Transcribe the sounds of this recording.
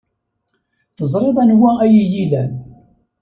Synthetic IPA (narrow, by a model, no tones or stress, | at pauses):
θəzˤɾˤeðˤænwææjijilæn